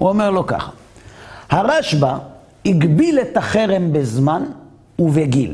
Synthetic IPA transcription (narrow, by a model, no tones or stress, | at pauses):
uomeʁlo̞ka̰χḁ | haʁaʃba | iɡbiletaχe̞ʁembezman | uveɡil